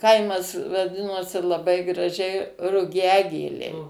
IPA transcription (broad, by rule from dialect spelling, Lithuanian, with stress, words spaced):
ˈkɐɪmɐs ʋɐˈdʲɪnoːsʲɪ lˠɐˈbɐɪ ɡrɐˈʒʲɛɪ rʊˈɡʲæːɡʲeːlʲɛɪ